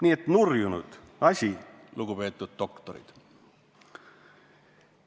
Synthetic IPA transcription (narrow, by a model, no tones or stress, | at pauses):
nʲiːet̪nurjunṵd̪̥ | ɑsʲiluɡ̥upe̞ːt̪ːˑud̪̚d̪o̞kt̪oɾḭd̪̥